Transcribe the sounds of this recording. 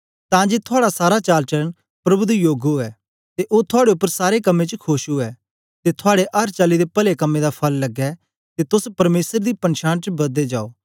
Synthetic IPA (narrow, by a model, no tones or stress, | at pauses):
t̪ãːd͡ʒeːt̪ʰʊaːɽasaːɾat͡ʃaːlt͡ʃɐɾən | pɾɐbʊd̪ijoːɡoɛː | t̪eʔoːt̪ʰʊaːɽeʊpːəɾsaːɾekɐmːet͡ʃəkʰoːʃoɛː | t̪et̪ʰʊaːɽeʔɐɾt͡ʃaːlid̪epɐlekɐmːẽd̪apʰɐlːɐɡɛ | t̪et̪ʊspɐɾmeːsəɾd̪ipɐ̃nʃãːñt͡ʃbɐd̪ed͡ʒaːoː